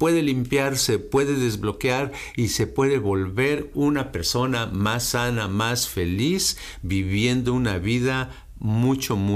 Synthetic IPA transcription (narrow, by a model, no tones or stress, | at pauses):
pwe̞ðe̞limpjaɾsepwe̞ðe̞ðe̞zβlo̞keaɾise̞pwe̞ðe̞βo̞lβe̞ɾunape̞ɾso̞namasːanamasfe̞lis | biβje̞nd̪ounaβiða | mut͡ʃomu